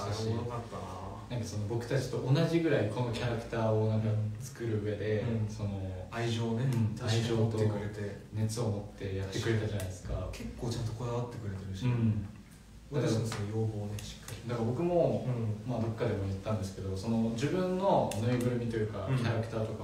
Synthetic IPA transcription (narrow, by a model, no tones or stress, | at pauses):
kat̪ːa | nãŋkaso̞no̞bo̞kɯ̟̥t̪at͡ɕi̥t̪o̞ʔːnaʑiɡɯ̟ɾaiko̞no̞kʲʰaɾakɯ̟̥t̪aːonãŋkat͡sɨ̥kɯ̟ɾɯ̟ɯ̟e̞d̪e̞so̞no̞aiʑoːneɯ̃ɴaiʑoːt̪oekɯɾet̪ene̞t͡sɨo̞mot̪ːe̞jat̪ːe̞kɯ̟ɾe̞t̪aʑanaid̪e̞sɨ̥kakʰe̞kːoːt͡ɕãnt̪o̞kod̪aβat̪ːe̞kɯ̟ɾe̞t̪eɾɯɕiɯ̃ɴ | d̪at̪ansnojoːbo̞ːneɕi̥kːaɾʲid̪akaɾbo̞kɯ̟mõ̞mad̪o̞kːad̪e̞mo̞jɯt̪ːãnd̪e̞sɨ̥ke̞d̪o̞so̞no̞d͡ʑibɯ̟̃nːo̞noibɯ̟ɾɯ̟mʲit̪o̞jɯ̟ːkakʲʰaɾakɯ̟t̪aːt̪o̞ka